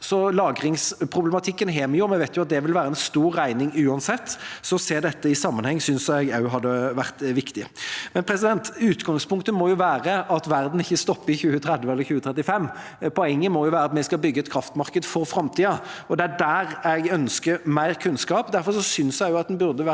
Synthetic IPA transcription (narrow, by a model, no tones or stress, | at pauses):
sɔlɑːɡɾɪŋspʰɾʊblɛmɑt̪ʰɪkːənɦeːmɛjʊmɛʋæɪt̪jʊɑt̪̚d̪ɛʋɪlʋæːɾəɛnst̪uːɾːæɪnɪŋʉːɑnsɛt̪ːsɔseːɾd̪ɛt̪ːəɪsɑmːɑnhɛŋːəsʏnsæɪɡɑʉɦɑd̪ːəʋæʁt̪ʋɪkt̪ɪmɛnpʰɾɛsɪd̪ɛnt̪ʉːt̪ɡɑŋspʰʊŋkt̪əmɔjʊʋæːɾəɑt̪ʋæɾd̪n̩ɪçːəst̪ɔpːəɪçʉːət̪ʰɾɛd̪ʋəɛlːəɾçʉːət̪ʰɾɛt̪ːɪfɛmː | pʰɔɛŋːəmɔjʊʋæːɾɑt̪mɛɪskɑlbʏɡːəɛt̪̚kʰɾɑft̪mɑʁkəd̪fɔɾfɾɑmt̪ʰiːɑɔd̪ɛæɖæːɾɛɪɡœnskəɾmæɪɾkʰʉnskɑːpd̪æɾfɔɾʂɔsʏnsjæɪɡjʊɑt̪̚d̪ɛnbʉɾd̪əʋæ